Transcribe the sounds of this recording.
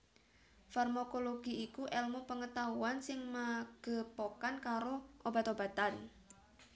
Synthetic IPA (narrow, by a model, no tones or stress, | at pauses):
farmakoloɡ̥iikuʔɛlmopəŋət̪auansɪŋmaɡ̥ə̤pokankaɾoʔob̥a̤t̪ob̥a̤t̪an